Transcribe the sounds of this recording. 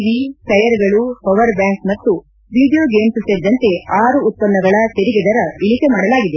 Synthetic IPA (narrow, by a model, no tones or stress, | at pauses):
ʋikɐjɐɾɡɐɭupɔʋɐɾbjaːŋkmɐt̪ːu | ʋiːɖijoːɡeːmsuseːɾid̪ɐnt̪e̞aːɾuːt̪̚pɐnːɐɡɐɭɐt̪eɾiɡed̪ɐɾɐiɭikemaːɽɐlaːɡid̪e